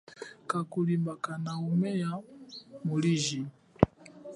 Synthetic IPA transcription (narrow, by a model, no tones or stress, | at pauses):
kakulimbakanaumɛjamuliʒi